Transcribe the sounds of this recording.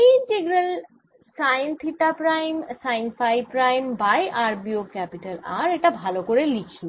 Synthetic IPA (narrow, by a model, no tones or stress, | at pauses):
id͡ʒeɡɾel | sajnt̪ʰit̪apɾajmsajnfajpɾajmbajʔaɾbiokɛpiʈalaɾeʈabʱalokoɾelikʰi